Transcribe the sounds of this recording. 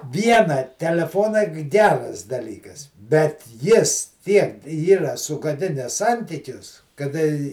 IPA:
ˈʋʲiɛnɐ tʲɛlʲɛˈfoːnɐɪ k ˈɡʲæːrɐs dɐˈlʲiːkɐs bʲɛt ˈjɪs ˈtʲiɛk ˈiːrɐ sʊɡɐˈdʲɪnʲɛs ˈsɐnʲtʲiːkʲʊs kɐˈdɐ ɪ

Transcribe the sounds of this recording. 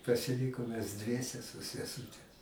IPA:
pɐsʲɪˈlʲiːkoːm mʲɛs ˈdʲʋʲiɛsʲɛ sʊ sʲɛˈsuːtʲɛ

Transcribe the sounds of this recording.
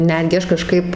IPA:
ˈnʲæːdʲɡʲɪ ˈɐʃ kɐˈʃkɐɪp

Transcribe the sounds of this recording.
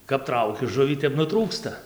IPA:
kɐp ˈtrɐʊkʲɪ ˈʒʊʋʲiː ˈtʲɛp nʊˈtruːkstɐ

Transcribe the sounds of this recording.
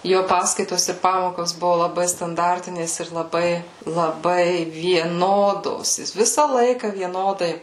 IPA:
ˈjoː ˈpɑːskɐɪtoːs ɪr ˈpɑːmoːkoːs ˈbʊʋʊ lˠɐˈbɐɪ stɐnˈdɐrʲtʲɪnʲeːs ɪr lˠɐˈbɐɪ lˠɐˈbɐɪ ʋʲiɛˈnoːdoːs ˈjɪs ˈʋʲɪsɐ ˈlˠɐɪkɐ ʋʲiɛˈnoːdɐɪ

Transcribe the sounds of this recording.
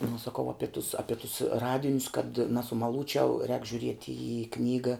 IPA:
nʊ sɐˈkɐʊ ˈɑːpʲɪ tʊs ˈɑːpʲɪ tʊs ˈrɑːdʲɪnʲʊs kɐt nɐsʊmɐˈlˠuːt͡ʃʲɛʊ rʲɛːk ʒʲʊˈrʲiɛtʲɪ iː ˈknʲiːɡɐ

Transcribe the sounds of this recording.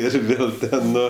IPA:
ɪr ˈʋʲeːlˠ ˈtʲɛn ˈnʊ

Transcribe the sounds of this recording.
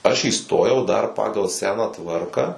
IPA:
ˈɐʃ iːˈstoːjɛʊ dɐr ˈpɑːɡɐlˠ ˈsʲæːnɑː ˈtʋɐrkɑː

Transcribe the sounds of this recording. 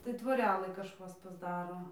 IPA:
tɐɪ tʋoːˈrʲæːlˠɨ kɐʃˈkɐs pɐzˈdɑːroː

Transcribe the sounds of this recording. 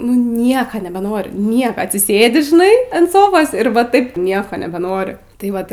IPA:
nʊ ˈnʲiɛkɐ nʲɛbʲɛˈnoːrʲɪ ˈnʲiɛkɐ ɐtʲsʲɪˈsʲeːdʲɪ ʒʲɪˈnɐɪ ɐnt ˈsoːfoːs ɪr ˈʋɐ ˈtɐɪp ˈnʲiɛkoː nʲɛbʲɛˈnoːrʲɪ tɐɪ ˈʋɐt

